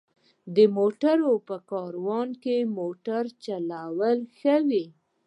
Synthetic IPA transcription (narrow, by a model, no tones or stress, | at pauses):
d̪əmoʈaɾopəkɑɾwɑnkemoʈaɾt͡ʃalawəlxəwi